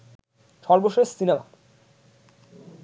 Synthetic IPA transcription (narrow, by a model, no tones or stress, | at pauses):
ʃɔɾboʃoesːinama̰